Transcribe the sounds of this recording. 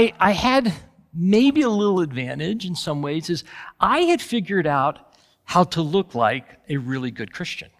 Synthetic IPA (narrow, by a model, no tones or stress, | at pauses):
ɪʔaɪɨd̚ | meɪbiəlɪɾl̩ˠədvæ̃ñɪd͡ʒɨ̃n̩sʌ̃mweɪzɨzʔaɪɨd̥fɪɡjə˞ɾaʊt̚ | haʊɾəlʊkʰla̰ɪkɨɹɪlˠiɡʊd̚kʰɹ̥ɪst͡ʃɨ̰̃n